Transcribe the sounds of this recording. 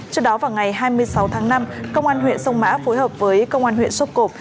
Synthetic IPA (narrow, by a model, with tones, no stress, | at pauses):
t͡ɕɔ˦˧˥k̚ɗɔ˨˦vaː˨˩wŋa˨˩jɦaː˧jmɨ˧əjsa˨˦wt̪ʰaː˨˦ŋna˧mkə˧wŋ͡mʔaː˧nɦwḭ˧˨ənsə˧wŋ͡mma̰ː˧˥fo˨˦jɦəː˨˩p̚vəː˨˦jkə˧wŋ͡mʔaː˧nhwḭ˧˨nswə˦˥t̚ko˨˩p̚